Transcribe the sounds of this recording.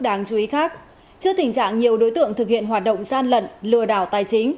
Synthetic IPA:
k̚ɗaː˨˦ŋt͡ɕu˨˦i˨˦xaː˦˥k̚ | t͡ɕɨ˧ət̪ï˨˩ŋ̟t͡ɕa̰ː˧˨ŋɲi˨˩əwɗo˨˦jt̪ɨ̰˧˨əŋt̪ʰɨ˨˩k̚hḭ˧˨ənɦwaː˨˩t̚ɗə̰˧˨wŋ͡mzaː˧nlə̰˧˨nlɨ˨˩əɗa̰ː˧˩wt̪aː˨˩jt͡ɕï˨˦ŋ̟

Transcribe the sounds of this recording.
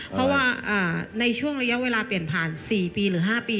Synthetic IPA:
pʰɾɔ˦˥waː˧˩ʔaː˨˩na˧jt͡ɕʰu˥˩əŋɾa˧ja˦˥ʔweː˧laː˧pi˨˩ənpʰaː˨˩nsiː˨˩piː˧ɾɯː˩˦ɦaː˥˩piː˧

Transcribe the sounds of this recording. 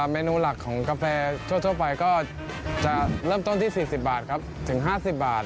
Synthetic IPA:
meː˧nuː˧la˨˩kʰːɔː˩˦ŋkaː˧fɛː˧t̪ʰu˥˩ət̪ʰəpa˧jkɔː˥˩ | t͡ɕa˨˩ɾɤː˥˩mt̪o˥˩nt̪ʰiː˥˩siː˨˩si˨˩p̚baː˨˩t̪̚kʰɾa˦˥p̚t̪ʰɯ˩˦ŋɦaː˥˩si˨˩p̚baː˨˩t̪̚

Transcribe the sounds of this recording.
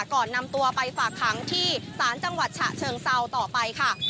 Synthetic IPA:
kɔː˨˩nːa˧mt̪u˧ɐpa˧jfaː˨˩kʰːɾa˦ŋt̪ʰiː˥˩saː˩˦nt͡ɕa˧ŋwa˨˩t̪̚t͡ɕʰa̰˨˩t͡ɕʰɤː˧ŋsa˧wt̪ɔː˨˩pa˧jkʰa˥˩

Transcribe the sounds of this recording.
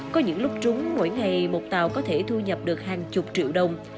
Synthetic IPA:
kɔ˨˦ɲɨ̰˧˥ŋlʊ˦˥k͡p̚t͡ɕʊ˨˦ŋ͡mmo̰˧˥jŋa˨˩jmo˨˩t̚t̪aː˨˩wkɔ˨˦t̪ʰe˧˩t̪ʰu˧ɲə˨˩p̚ɗɨ˨˩ək̚haː˨˩ŋt͡ɕʊ˨˩k͡p̚t͡ɕḭ˧˨əwɗə˨˩wŋ͡m

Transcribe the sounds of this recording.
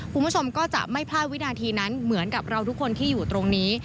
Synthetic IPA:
kʰu˧nbu˥˩t͡ɕʰo˧mkɔː˥˩t͡ɕa̰˨˩ʔma˥˩jpʰlaː˥˩t̪̚wi˦˥naː˧t̪ʰiː˧na˦˥nmɯ˩˦ənka˨˩p̚ɾa˧wt̪ʰu˦˥kʰːo˧nt̪ʰiː˥˩juː˨˩t̪ɾo˧ŋniː˦˥

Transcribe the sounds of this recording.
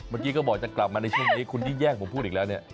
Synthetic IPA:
məː˧˩˦nki˧kɔː˥˩bɔː˨˩k̚t͡ɕa˨˩kla˨˩p̚maː˧na˧jt͡ɕʰu˥˩əŋniː˦˥kʰu˧nt͡ɕiː˧˥˩jɛː˥˩ŋkpʰmʰpʰːuː˥˩t̪̚iː˨˩lɛː˦˥wniː˥˩ə

